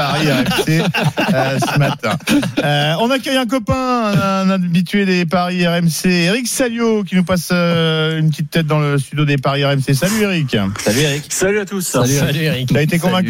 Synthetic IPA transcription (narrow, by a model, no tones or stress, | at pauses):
aʁiɛʁɛmse | səmat̪ɛ̰̃ | ɔ̃nakʲœjɛ̃k̬ɔpɛ̃ɛ̃nabit̪ɥed̪epaʁiɛʁɛmseːʁiksaljokʲinupasøynpət̪it̪ːɛt̪̚d̪ɑ̃ləst̪yd̪jod̪epaʁiɛʁɛmses̬alyeʁikʲsalyeʁiksalyat̪usllʁiaet̪ekɔ̃vɛ̃k